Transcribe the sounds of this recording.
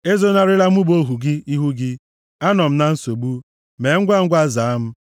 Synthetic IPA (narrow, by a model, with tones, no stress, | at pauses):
e˦zo˦na˦ɾɪ˦la˦m̩˦u˦bo˦ɦu˨ɡɪ˦i˦ɦu˦ɡɪ˦ | a˦nɔ˨m̩˦na˦n̩˦so˨bu˦ | me˨˦ŋ̩˦ɡʷa˦ŋ̩˦ɡʷa˦za˨a˦m̩˦